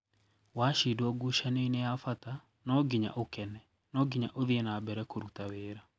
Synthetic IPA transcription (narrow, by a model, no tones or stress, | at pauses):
waʃidwɔɡuʃaneinejafata | nɔɡiɲa̰ʔokɛnɛ | nɔɡiɲaʔoðienaːbɛɾɛkoɾutaweːɾa